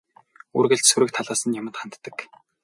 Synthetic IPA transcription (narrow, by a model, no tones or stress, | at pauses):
urɣɘ̆ɮt͡ɕsuɾɘ̆kt̪ʰaɮaːsə̆njamə̆t̪χan̥t̪ːə̆k